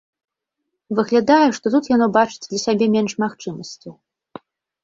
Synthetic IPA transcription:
vɨɣlʲad̪ajɛʂt̪ɔt̪ut̪janɔbat͡ʂɨ̥d͡zʲd̪lʲɐsʲabʲɛmʲɛnʂmaxt͡ʂɨmɐsʲt͡sʲi

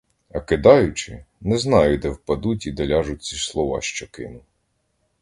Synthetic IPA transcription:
ɐkɪd̪ɑjʊt͡ʃɪ | nɛznɑjʊd̪ɛwpɐd̪ut̬ʲid̪ɐlʲɑʒʊt̚ʲt͡sʲislˠɔʋɑ̰ʃt͡ʃɔkɪnʊ

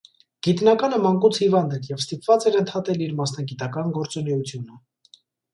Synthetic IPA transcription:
ɡ̥it̪nɑkɑnəmɑŋkut͡sʰhivɑnd̪ɛɾjɛvst̪ipvɑt͡sɛɾənt̪ʰɑt̪ɛliɾmɑsnɑɡit̪ɑkɑnɡɔɾt͡sɔnɛjut͡sʰjunə

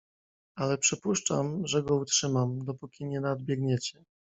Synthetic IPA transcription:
alɛpʂɘpuʂt͡ʂa̰mʐɛɡɔutʂɘmamd̪ɔpukʲiɲɛnad̪̚bʲjɛɡɲɛt͡ɕɛ

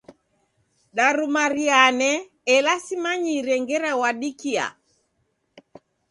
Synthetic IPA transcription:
ɗaɾumaɾianɛː | lasimaɲiɾɛŋɡɛɾawaɗikia̰

